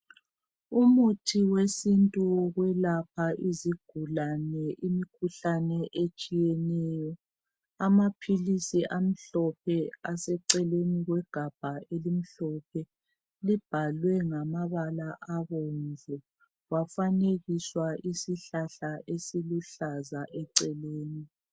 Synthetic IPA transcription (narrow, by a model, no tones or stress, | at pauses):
umutʰiwesintʼuɣwɛlap̚ʰaʔiziɡ̥ʱulanɛʔimikʰuɬanɛʔet͡ʃʼijɛnɛjɔ | amapʰilisiʔam̩ɬɔpʰɛasɛǀɛleniɣwɛɡ̥ʱab̥ʱaʔelim̩ɬɔp̚ʰɛ | lib̥ʱalwɛŋamaβalaʔaɣɔnvʱɛ | ɣafaneɣiswaʔisiɬaɬaʔesiluɬazaʔɛǀɛleːni